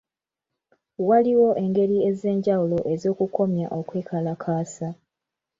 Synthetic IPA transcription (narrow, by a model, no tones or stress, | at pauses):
waliwo̞ʔe̞ŋɡe̞ɾie̞ze̞ːɲɟawulo̞ʔe̞zo̞ːkukʰo̞mja̰ʔo̞kweːkʰalakʰaːsa